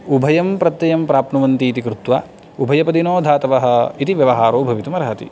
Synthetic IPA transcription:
ubʱɐjɐmpɾɐt̪jɐjɐmpɾaːpnuʋɐnt̪iːt̪ikɾut̪ʋa̰ː | ubʱɐjɐpɐd̪inoːd̪ʱaːt̪ɐʋɐɦɐ̆it̪iʋjɐʋɐɦaːɾoːbʱɐʋit̪umɐɾɐɦɐt̪ḭ

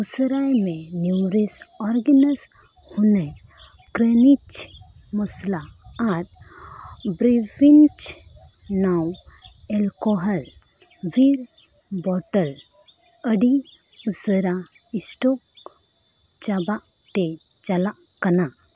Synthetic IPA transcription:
usɾajmẽ | nuɾes | ɔɾɡənəs | hune | kɾenit͡ʃ | mɐsla | aɾ | bɾifint͡ʃ | naw | ɛlkɔɦəl | ʋiɾ | bɔʈəl | əɖi | usəɾa | ɪsʈɔk | t͡ʃabaʔ | t̪e | t͡ʃala | kɐna

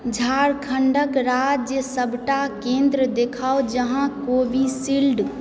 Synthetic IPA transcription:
d͡ʒʱaɾkʰəɳɖəkɾad͡ʒjəsəbʱʈakẽnd̪ɾəd̪ekʰaod͡ʒəɦãkobisilɖ

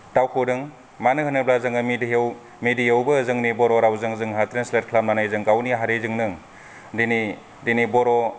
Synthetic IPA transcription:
tawkʰɯdɯŋ | manɯhɯnɯblazɯŋɯmidijew | midijɯwbɯːzɯŋnibɔɾɔɾawzɯŋzɯŋɦatɾenslet̚kʰlap̚nanajzɯŋɡawniɦaɾezɯŋnɯŋ | dini | dinibɔɾɔ

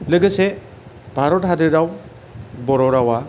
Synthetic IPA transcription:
lɯɡɯse | bʱaɾɔt̚ɦadɯɾaw | bɔɾɔɾawa

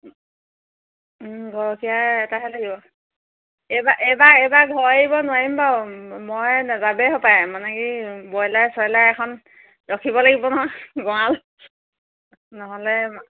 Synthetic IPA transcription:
ɡʱɔɹɔkijaɛtaɦɛlaɡibɔ | ɛbaʔɛbaɛbaɡʱɔɹeibɔnʊwaɹimbamɔjnazabɛɦɔpajmanɛkibɔjlajsɔjlajɛkʰɔn | dɔkʰibɔlaɡibɔnɔɦɔɡɔal | nɔɦɔlɛ

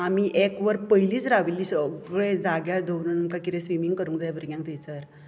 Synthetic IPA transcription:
amiʔekʋəɾpəɦiliːt͡sɾaʋiliːsəɡɭẽd͡zaɡjaɾd̪ʱəʋnənəŋkakit̪ẽsʋimiŋɡkəɾũːŋd͡zajbəɾɡjãŋk̚t̪ijt͡səɾ

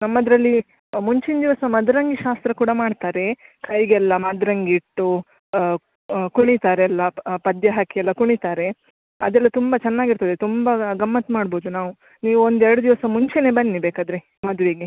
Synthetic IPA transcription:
nɐmːɐd̪ɾɐlːi | muɲt͡ʃind̪iʋɐsɐmɐd̪ɾɐŋɡiʃaːst̪ɾɐkuːɽɐmaːɖt̪aːɾe̞kʰɐjɡɛlːɐmɐd̪ɾɐŋɡiʈːu | kuɳit̪aːɾeɐlːɐpɐd̪jɐɦaːkiɛlːɐkuɳit̪aːɾe̞ | ɐd̪ɛlːɐt̪umbɐt͡ʃɛnːaːɡiɾt̪ɐd̪et̪umbɐɡɐmːɐt̪maːɽboːd̪unaːʋu | niːʋuond̪ɛɾɐɽud̪iʋɐsɐmuɲt͡ʃeneːbɐnːibeːkaːd̪ɾe | mɐd̪ʋiːɡe

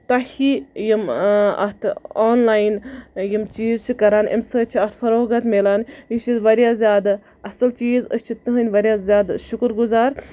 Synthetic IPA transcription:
t̪ɐhijimɐ̰ht̪ʰoːnlaːjnjimt͡ʃiːzt͡ʃʰikɐɾaːnʔḭmsət͡ʃʰiɐht̪ʰfɐɾoːɡɐt̪melanjiʃizʋɐɾʲjaːzʲjaːd̪ | ɐsɐlt͡ʃiːzəst͡ʃʰit̪ɨɦɨnʲʋɐɾʲjaːzʲjaːd̪ʃukɾɡuzaːɾ

